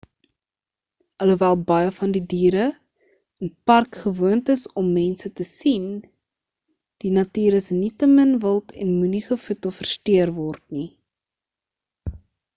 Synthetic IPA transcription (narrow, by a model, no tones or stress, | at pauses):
ɐluvæːlˠbɐjəfɐndidiːɾə | ənpɐrkχəvuəntəsɔmːɛnsətəsin | d̥inɐtiːɾəsnitəmənvəlˠtʰɛ̰nmuniχəfutofərstøərvɔrtni